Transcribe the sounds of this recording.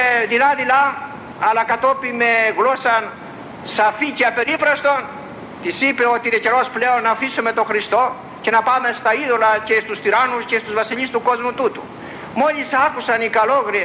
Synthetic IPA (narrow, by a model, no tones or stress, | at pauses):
ðilɐðilɐ | ɐlɐkɐt̪o̞pime̞ɣlo̞sɐn | sɐficeɐpe̞ɾipɾɐst̪o̞n | t̪isipeo̞t̪iinece̞ɾo̞sple̞onːɐfisume̞t̪o̞xɾist̪o̞ | ce̞nɐpɐme̞st̪ɐiðo̞lɐce̞st̪ust̪iɾɐnuscest̪uzvɐsiʎist̪uko̞zmut̪ut̪ṵ | mo̞ʎisɐkusɐnikɐlo̞ɣɾie